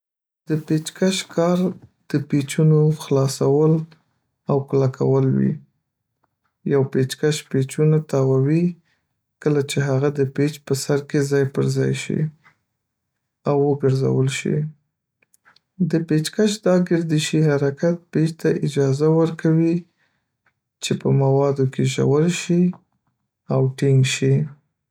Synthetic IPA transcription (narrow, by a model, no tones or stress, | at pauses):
d̪̥əpet͡ʃkaʃkɑɾd̪̥əpet͡ʃunoxlɑsawəl | awklakʰawəlwḭ | jawpet͡ʃkaʃpet͡ʃunat̪ɑwawi | kəlat͡ʃeɦaɣad̪əpet͡ʃpəsaɾkezɑjpəɾzɑ̰jʃḭ | awːəɡəɾza̰wəlʃḭ | d̪əpet͡ʃkaʃd̪ɑɡɪɾd̪iʃihaɾakat̪̚pet͡ʃt̪aʔɪd͡ʒɑzawəɾkawi | t͡ʃepəmawɑd̪okeʒa̰wəlʃi | awʈiŋɡʃi